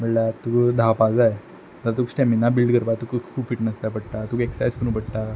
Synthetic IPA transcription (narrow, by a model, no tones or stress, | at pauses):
məɭlat̪ukd̪ʱapad͡zaj | d̪əaɾt̪̬uksʈɛminːabilɖkəɾpat̪ukəkʰuːbfiʈnəsapəɽʈat̪ukeksajskuñupəɽʈ̪a